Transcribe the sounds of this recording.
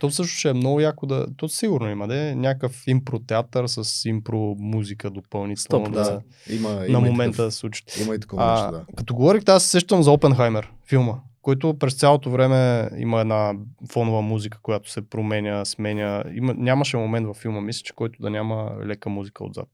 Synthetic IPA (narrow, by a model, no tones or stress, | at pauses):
t̪ɔfsɤʃ̬nʊ̥t͡ʃɛːmnɔɡʊjakod̪ɐ̰t̪ɔsiɡʊɾnoimɐd̪ɛnʲakəfimpɾot̪ɛat̪əɾsəsimpɾomuzikəd̪opɐlˠnit̪ɛlnod̪ɐ | imənɐmomɛnt̪əd̪ɐsˠut͡ʃi̥t̪ḭməit̪ɐkɔad̪akɐt̪oɡovɔɾixt̪asɛ̥sɛʃt̪əmzɐɔpɛnxajmɛɾfilˠməkɔjt̪̬ʊpɾɛst̪sʲjalˠot̪ovɾɛmɛḭməɛd̪nafɔnʊvəmuzikə̥kojat̪ʊ̥sɛpɾomɛnʲəsmɛnʲəḭmənʲaməʃɛmomɛnt̪vɐfːilˠməmislʲɛ̥t͡ʃɛ̥kɔjt̪ʊd̪ɐnʲamə̰lɛkəmuzikəo̰d̪za̰t̪̚